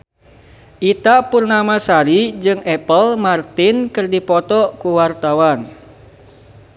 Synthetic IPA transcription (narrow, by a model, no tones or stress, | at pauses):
ʔit̪aʔpurnamasaɾid͡ʒɨŋɛpəlmart̪ɪnkɨrdipɔt̪ɔkuwart̪awan